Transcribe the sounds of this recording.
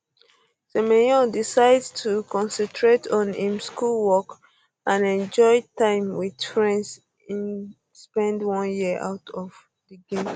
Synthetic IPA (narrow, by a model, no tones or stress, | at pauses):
sɛmejɔ̃disaɪdtʰukɔ̃nsɛ̃ntʰɹetʰɔ̃nhĩmskulwɔk | ʔãnɛ̃nd͡ʒɔɪtãɪ̃mwid̥fɹɛ̃nds | ĩn | spɛ̃ndwʌ̃njiəʔa̰ʊtʰɔv | diɡẽm